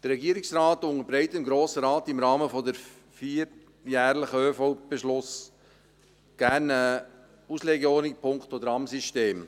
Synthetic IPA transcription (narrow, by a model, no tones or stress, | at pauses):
d̥əɾːɛɡiːəɾɪksrɑːtʊŋəɾbɾɛɪtənɡɾoːsəɾɑːtɪmɾɑːməfɔdəɾ | fiːɾ | jæːɾləχəøːfobeʃlʊs | ɡ̥æɾnə | usleɡəoːnɪpʰʊŋkχtod̪əɾɑmsiʃteːm